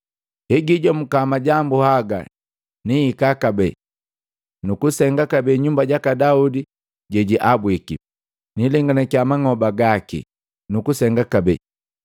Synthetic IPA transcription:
hɛɡiɟɔm̩kamaɟambuhaɡa̰ | niːkakabɛ | nukusɛŋɡakabɛɲumbaɟakadaudi | ɟɛɟiʔabwiki | nilɛŋɡanɛkiamaŋɔbaɡakḭ | nukusɛŋɡakabɛ

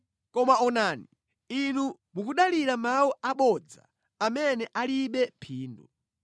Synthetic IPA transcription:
kɔmaɔnaːni | inu | mukuɗaliɾamawuaɓɔd͡za̰ | amɛnɛʔaliɓɛpʰiːndɔ

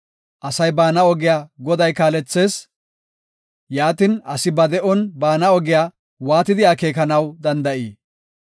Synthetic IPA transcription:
ʔɐsɐjbaːnɐɔɡɪjaːɡɔd̪ɐjkaːlɛt͡sːe̞ːs | jaːt̪iːnɐsɪbɐd̪ɛʔɔnbaːnɐɔɡɪjaː | waːt̪ɪd̪ɪjaːke̞ːkɐnɐwd̪ɐnd̪ɐʔiː

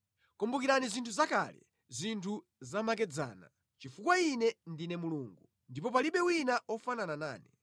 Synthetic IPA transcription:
kɔmbukiɾanizintʰuzaka̰ːlɛ̰ | zʷintʰu | zamak̬ɛd͡za̰ːna̰ | t͡ʃifukwainɛndinɛmuluːŋɡu | ndipɔpaliɓɛwinaʔɔfananana̰ːni

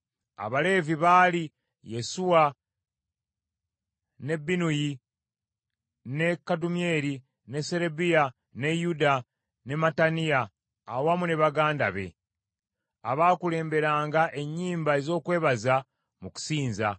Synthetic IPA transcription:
a̰βale̞ːviβaːli | je̞suwa | ne̞bːinuji | ne̞kːadumie̞ɾi | ne̞se̞ɾebija | ne̞juda | ne̞matanijaː | wamune̞βaɡaːnda̰βe̞̰ | aβaːkule̞ːmbe̞ɾaːŋɡaʔe̞ɲːiːmbae̞zo̞ːkwe̞ːβaza | muku̥siːnza̰

